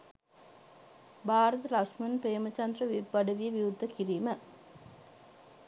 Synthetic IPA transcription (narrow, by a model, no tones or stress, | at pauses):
bʱaːɾɐt̪əlakʂmɐnpɾejːəmət͡ʃɐnd̪rəʋibːɐɖɐʋijəʋiud̪ʱːəkiɾiːmə